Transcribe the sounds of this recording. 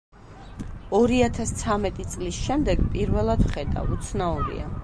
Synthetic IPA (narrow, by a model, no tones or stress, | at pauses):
ɔɾiat̪ʰast̪sʰamɛt̪ʼit̪sʼlisʃɛmd̪ɛɡpʼiɾvɛlˠad̪vχɛd̪a̰vut̪sʰnauɾḭa̰